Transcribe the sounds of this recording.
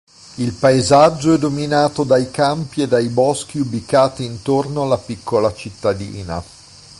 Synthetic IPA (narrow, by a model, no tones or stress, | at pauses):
ilpaezad͡ʒːoɛd̪ominaːt̪od̪ajkampied̪ːajbɔsk̟iubikaːt̪iːnt̪ornoalːapikʰːolat͡ʃit̪ːad̪ḭːna̰